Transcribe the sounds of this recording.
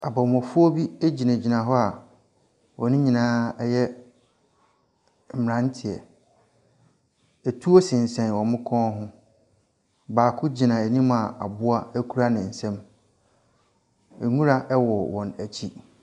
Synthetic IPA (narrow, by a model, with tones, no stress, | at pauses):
a˨bɔ˨mɔ̃˨fʊ˦ɔ˦bi˦æ˦d͡ʑi˨nã˨d͡ʑi˨nã˨ɦɔ˦a˨ | wɔ˨nʊ̃˦ɲĩ˨nãː˦ɛ˦jɛ˦ | m̩˨m˨ã˦n˦tʰɪ˨ɛ̰˨ | ɛ˨tʰu˦o˦sɪ̃˨n̩˨sɛ̃˨n˨wɔ̃˨mɪ̃˦kʰɔ̃˦ɦʊ̃˦ | baː˨kʰʊ˦d͡ʑi˨nã˨æ˨ɲĩ˦ma˨a̰˨bʊ˦a˦æ˦kʰu˦ɾa˦nɪ̃˨n̩˨sɛ̃˦m | ɛ˨ŋũ˦ɾa˦ʔɛ˦wɔ˨wɔ̃˨næ˨t͡ɕʰi˦